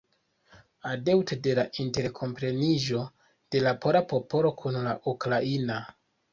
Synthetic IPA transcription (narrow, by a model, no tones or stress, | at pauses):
adewtede̞laʔinte̞ɾkʰo̞mpɾe̞niʒo̞ | d̥e̞lapoɾapo̞po̞lo̞kʰunlaʔukɾaina